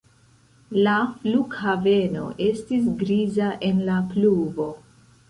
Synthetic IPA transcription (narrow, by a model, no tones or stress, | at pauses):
lafluɡhave̞no̞̰ʔe̞stis̬ɡɾizaʔe̞nlapluvo̞